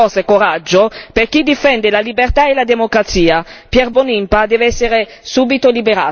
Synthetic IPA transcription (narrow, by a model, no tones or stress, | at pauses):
ɔsekoɾad͡ʒːoperkid̪ifɛnd̪elalibert̪aelad̪emokɾat̪siːapjɛrbonimpad̪ɛːveɛsːeɾe | suːbit̪olibeɾaː